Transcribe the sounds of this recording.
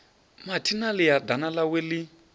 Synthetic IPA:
matʰinalijadanalaweli

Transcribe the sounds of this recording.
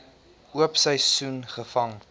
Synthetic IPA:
ʔuəpsəjsunχəfɐŋ

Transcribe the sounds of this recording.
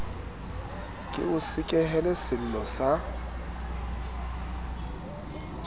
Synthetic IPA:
kʼɪ̰ʊsɪkʼɛɦɛlɛsɪl̩lɔsa

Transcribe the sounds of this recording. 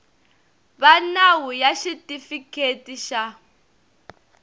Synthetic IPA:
βanawujaʃitʼifikʰetiʃa

